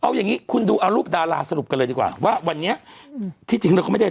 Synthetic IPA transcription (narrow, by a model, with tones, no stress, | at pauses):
ʔa˧wjaː˨˩ŋːiː˦˥kʰu˧nduː˧ʔa˧wɾuː˥˩p̚daː˧laː˧sa˧ɾu˨˩p̚ka˧lɤː˧diː˧kwa̰ː˨˩waː˥˩wa˧nːi˦˥ɐt̪ʰiː˥˩t͡ɕi˧ŋna˧kːm˥˩a˥˩